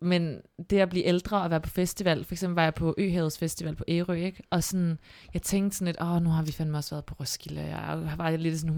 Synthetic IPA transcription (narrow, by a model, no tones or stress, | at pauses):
mend̥e̝æblḭːʔeld̥ʁɐːɒʋæːɐpʰɒ̥̽fesd̥iʋɛl̰fɒ̽eɡ̥semb̥l̩ʋɑ̈jɑ̈ɪpʰɒ̽ʔø̰ːɦɛːð̩ˠsfesd̥iʋɛ̰l̰pʰɒ̽ʔeːʁøeɡ̥ʔɒ̽sɔ̽njɑ̈ɪt͡sʰeŋ̰ɡd̥snle̝dɒnuhɑ̈ʋifænmeɒ̽sʋæːɐðˠpʰɒ̽ʁɔsɡ̥ilɐjɑ̰ʋɑ̈dele̝d̥sɔn